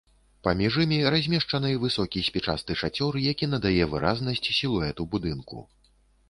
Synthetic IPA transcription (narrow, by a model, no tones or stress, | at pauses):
pamʲiʐɨmʲiɾazʲmʲɛʂt͡ʂɐnɨvɨsɔkʲisʲpʲɛt͡ʂa̰st̪ɨʂat͡sʲɔɾɨjakʲinɐd̪ajɛvɨɾa̰znɐsʲt͡sʲsʲilˠuɛt̪ubud̪ɨnkṵ